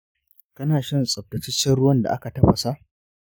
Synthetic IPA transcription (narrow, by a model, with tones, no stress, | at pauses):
kɐ˦naː˨ʃɐ˦nsʼɐ˨b̚tɐ˨t͡ʃɪ˦t͡ʃːɐ˦ɽʊ˦wɐ˦nda̰˨ʔa˦ka˨tɐ˦ɸɐ˨sa˦ʔ